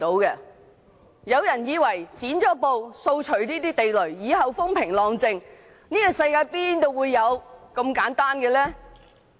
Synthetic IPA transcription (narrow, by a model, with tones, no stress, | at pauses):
t̪o˨˥wkɛː˧ | jɐ˨˧wjɐ˨˩njiː˨˧wɐ˨˩jt͡siː˨˥nt͡ʃɔː˨˥po˨˧wso˧wt͡ʃʰɵ˨˩ɥniː˥t̪iː˥t̪e˨jlɵ˨˩ɥjiː˨˧hɐ˨wfʊ˥ŋpʰɪ˨˩ŋlɔː˨ŋt͡sɪ˧ŋ | niː˥ɔ˨sɐ˧jkaː˧jpiː˥nt̪o˥˧wuː˨˧jːɐ˨˧wkɐ˧mkaː˨˥nt̪aː˥nkɛ˧lɛː˥